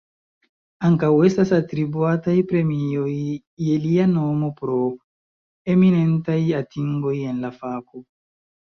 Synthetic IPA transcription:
aŋkawe̞stasatɾibuatajpɾe̞mio̞jː | e̞liano̞mo̞pɾo̞ | e̞mine̞ntajatiŋɡo̞je̞nlafako

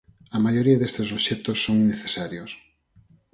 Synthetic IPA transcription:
ɐmajoɾiɐðest̪es̬oβʃɛt̪osːoŋineθesaɾjos

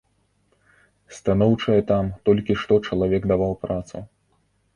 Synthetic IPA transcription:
st̪anɔwt͡ʂɐjɐt̪amt̪ɔlʲkʲiʂt̪ɔt͡ʂɐlˠavʲɛɡd̪avawpɾat̪sṵ

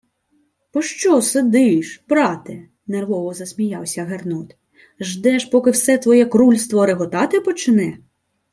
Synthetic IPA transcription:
pɔʃt͡ʃɔsed̪ɪʃbɾɑt̪ɪ | nerʋɔʋɔzɐsʲmʲijɑwsʲɐɦernɔt̪ | ʒd̪ɛʃpɔkɪwsɛt̪ʋɔjɛkɾulʲst̪ʋɔɾeɦɔt̪ɑt̪ɪpɔt͡ʃɪnɛ

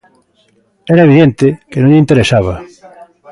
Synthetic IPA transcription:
ɛɾaɐeβiðent̪ekenõŋʎeint̪eɾesaβ̞ɐ

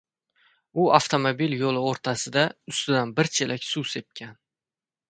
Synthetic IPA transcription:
ʊaft̪ʰomobiljolˠɪoɾt̪ʰasɪd̪aʊst̪ɪd̪anbɪɾt͡ʃʰelakʲsuse̞p̚kʲʰan

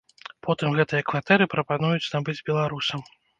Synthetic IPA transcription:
pʰɔt̪ɨmɣɛt̪ɨjɐkvat̪ɛɾɨpɾɐpanujut͡sʲnabɨd͡zʲbʲɛlˠaɾusɐm

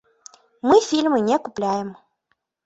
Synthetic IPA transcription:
mɨfʲilʲmɨnʲekuplʲajɛm

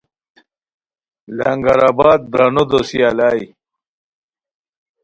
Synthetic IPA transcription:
laŋɡaɾaːbaːd̪̚ːɾanod̪osjaːlaːj

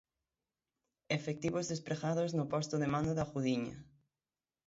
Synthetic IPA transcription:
efek̚t̪iβozðespɾeɣaðoznʊpɔst̪ʊðemãnd̪aðaxuðiɲɐ̰

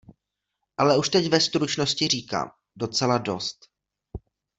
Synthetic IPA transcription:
ʔalɛuʃt̪ɛcvɛst̪ɾut͡ʃno̞scɪr̝iːka̰ːm | do̞t͡sɛlado̞̰st̪

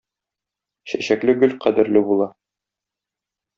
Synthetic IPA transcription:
ɕæ̰ɕæklɘɡɵlqæd̪ɘ̆ɾlɘbulˠɑ

